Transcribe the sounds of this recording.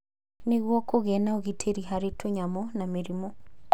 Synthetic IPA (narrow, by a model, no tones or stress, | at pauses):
neɣwɔkoɣɛnaoɣitʰeɾiɦaɾetʰoɲamɔnameɾimɔ